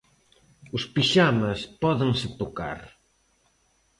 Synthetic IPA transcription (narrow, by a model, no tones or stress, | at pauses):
ʊspiʃamaspɔðeŋsɪt̪ʊka̰ɾ